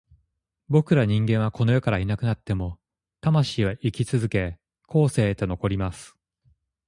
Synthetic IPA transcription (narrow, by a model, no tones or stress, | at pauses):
bo̞kɯ̟ɾaɲ̟ĩŋɡẽɰ̃β̞ako̞no̞jokaɾainakɯ̟nat̪ːe̞mo̞ | t̪amaɕiːβaʔikʲit͡sɨzɨke̞ | kʰo̞ːse̞ːt̪o̞no̞ko̞ɾʲimasɨ̥